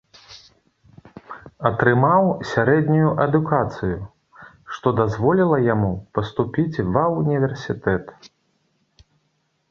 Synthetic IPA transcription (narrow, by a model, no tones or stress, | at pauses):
ɐt̪ɾɨmawsʲaɾɛd̪ʲnʲujuʔɐd̪ukat̪sɨju | ʂt̪ɔd̪azvɔlʲilˠɐjamupɐst̪upʲit͡sʲvɐunʲivʲɛrsʲit̪ɛt̪